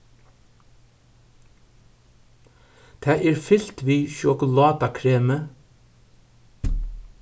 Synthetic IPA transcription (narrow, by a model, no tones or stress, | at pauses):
t̪ʰæːʔeːɹfɪlt̪ʋiːʃʊkʊlɑːd̪ɑkʰɾeːmə